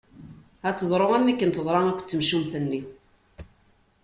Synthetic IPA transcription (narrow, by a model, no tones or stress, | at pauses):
æt͡sːəðˤɾˤoʁæmːækːənt̪əðˤɾˤɑŋækʷːt͡sːəmʃumθənːi